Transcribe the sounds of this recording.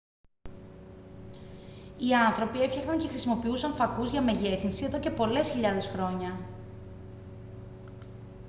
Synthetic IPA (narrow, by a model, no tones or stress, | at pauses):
iɐnθɾo̞pie̞fçɐxt̪ɐŋce̞xɾisimo̞piusɐɱfɐkuzʝɐme̞ʝe̞θinsie̞ðo̞ce̞po̞le̞sçiʎɐðe̞sxɾo̞ɲɐ